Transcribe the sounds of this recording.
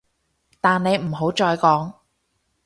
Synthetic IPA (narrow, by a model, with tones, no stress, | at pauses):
t̪aː˨nne˨˧jm̩˨˩ɦo˨˥wt͡ʃɔː˧jkɔː˨˥ŋ